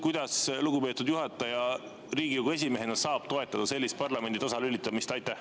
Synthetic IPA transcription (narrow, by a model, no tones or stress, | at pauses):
kujd̪̥ɑsluɡ̥upe̞ːt̪ːˑud̪juɦɑt̪ːˑɑjɑ | ɾiːɡijuɡue̞s̬ʲime̞ɦe̞nɑsɑːb̥t̪o̞e̞t̪ːˑɑd̪̥ɑse̞lʲːist̪̚pɑrlɑme̞nd̪it̪ɑsɑlylʲːit̪ːˑɑmist̪ɑjt̪ːˑæh